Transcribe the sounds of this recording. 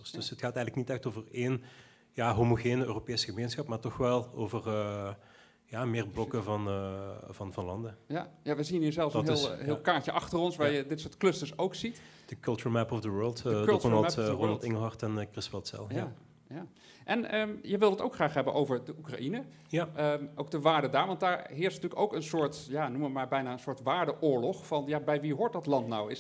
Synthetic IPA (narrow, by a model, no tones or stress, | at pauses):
sd̥øsətxaːtɛjɣənləknitɛxtoːvəreːn | jaːɦomoɣeːnøːropeːsəɣəmeːnsxɑpmaːɹtɔxʋɛlˠoːvərə | jaːmɪːrblɔkəvɑnəvɑnvɑnlɑndəjajaʋəzinniːɹzɛlˠsnɦɪːllˠɦːlˠkaːɹcəʔɑxtərɔnsʋaːɹjədɪtsoːɹtklɵstəɹsowksit | d̥əkɵlˠt͡ʃuɹmɛpɔvdəwɜːɹlˠtønɑlˠronɑlˠtɪŋəlˠɦɑrtɛnkrɪstpɛlˠtsɛ̰lˠja | jaː | ʔɛnəjəʋɪlˠətowkχraːχɦɛbənʔowvəɹdəʔukra̰ʔinə | əʔowk̚dəʋaːɹdədaːɹʋɑntdaːɹɦɪːɹsnətyːləkowkənsʊːɹtjanuməʋəmaːɹbɛjnaːənsʊːɹtʋaːɹdəʔʊːɹlɔχfɑnjabɛjʋiɦʊːɹt̚dɑtlɑntnawɪ